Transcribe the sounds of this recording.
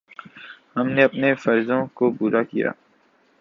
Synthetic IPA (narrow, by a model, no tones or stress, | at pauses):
hɐmneɐpnefɐɾzõkopuːɾakḭja̰ː